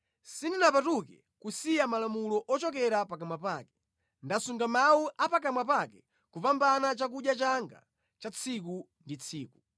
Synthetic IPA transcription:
sindinapatukɛ̰ | kusijamalamulɔʔɔt͡ʃɔk̬ɛɾapakamwapaːkɛ̥ | ndasuŋɡamawuʔapak̬amwapakɛ | kupambanat͡ʃak̬uɗjat͡ʃaŋɡa̰ | t͡ʃat͡sʰik̬u | ndit͡sʰiːku̥

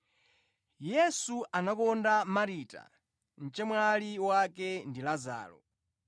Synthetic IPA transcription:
jɛsuanakɔndamaɾiːta̰ | n̩t͡ʃɛmwaliwakɛndilaza̰ːlɔ̰

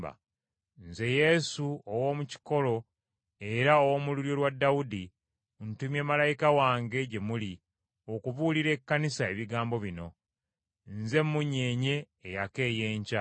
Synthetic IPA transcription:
ba̰ | nze̞je̞suowomuci̥ko̞lo̞ | e̞ɾaowomuluɾjo̞lwadːawudi | ntumjeːmalajikawaːŋɡe̞ɟe̞muli | o̞kuvuːliɾe̞kːanisae̞βiɡaːmbo̞βino̞ | nze̞mːuɲːe̞ːɲe̞ː | jake̞ːjeːɲca

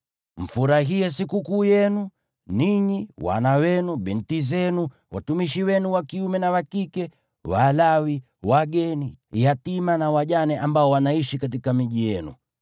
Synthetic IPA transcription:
m̩fuɾaɦiɛs̬ikukuːjɛnu | niɲiwa̰nawɛnuɓɛntizɛnu | wa̰tumiʃiwɛnuwakiumɛnawakikɛ | walawi | waɡɛnijatimanawaʄanɛʔambaɔwanaiʃikat̬ikamiʄijɛnṵ

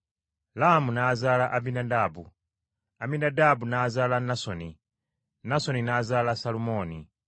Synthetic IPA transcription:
laamunazalaʔabinadaːbu | aminadabunazalanasɔni | nasɔninazalasalumɔːni

